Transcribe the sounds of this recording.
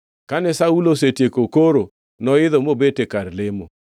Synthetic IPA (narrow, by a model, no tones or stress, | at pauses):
kanɛsaulosetjekokoɾo | nɔɪðɔmobetekarlɪmo